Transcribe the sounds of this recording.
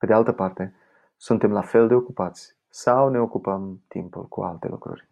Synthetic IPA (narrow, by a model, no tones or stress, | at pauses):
pe̞d̪ealt̪əpart̪e̞ | sunt̪e̞mlafe̞ld̪e̞o̞kupat̪sʲ | sawne̞o̞kupəmt̪ḭmpṵlkṵalt̪e̞̰lṵkɾṵrʲ